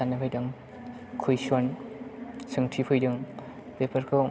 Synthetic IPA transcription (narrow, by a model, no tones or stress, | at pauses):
anːɯpʰajdɯŋ | kʰujsɔn | sɯŋtʰipʰujdɯŋ | pepʰaɾkʰɯ